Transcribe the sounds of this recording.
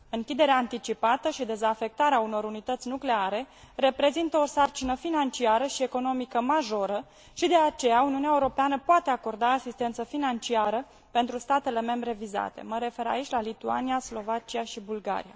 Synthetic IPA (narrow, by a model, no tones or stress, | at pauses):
ɨŋkʲid̪e̞ɾeaːnt̪it͡ʃipat̪əʃid̪e̞zafe̞k̚t̪aɾeauno̞ɾunit̪ət̪sʲnukle̞aɾe̞ | re̞pɾe̞zint̪əosart͡ʃinəfinant͡ʃiaɾəʃie̞ko̞no̞mikəmaʒo̞ɾə | ʃid̪e̞at͡ʃe̞jauniuneaeuɾo̞peanəpoat̪eako̞rd̪aːsist̪ent̪səfinant͡ʃiaɾə | pe̞nt̪ɾust̪at̪e̞le̞me̞mbɾe̞viza̰t̪e̞̰məɾe̞fe̞ɾa̰it͡ʃʲlalit̪ua̰niaslo̞vat͡ʃiaʃibulɡa̰ɾḭa̰